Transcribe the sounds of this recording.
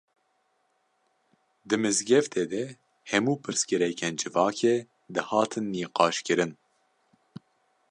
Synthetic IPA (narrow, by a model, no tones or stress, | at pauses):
d̪ɨmɨzɡɛft̪ʰeːd̪ɛ | hɛmuːpʰɨɾskɨɾɛkʰɛnd͡ʒɨvɑːkʰeː | d̪ɨhɑːt̪ʰɨnːiːqɑːʃkɨɾɨn